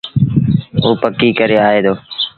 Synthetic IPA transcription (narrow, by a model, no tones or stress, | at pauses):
oːpəkːiːkəɾeːaːeːd̪oː